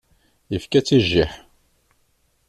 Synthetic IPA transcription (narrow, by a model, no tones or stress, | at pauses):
jəfkæt͡sːiʒːiħ